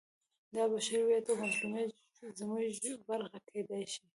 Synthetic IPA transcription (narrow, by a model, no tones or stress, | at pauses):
d̪ɑbaʃaɾiwjat̪omazlume | zmuʒbaɾxakʰed̪ajʃi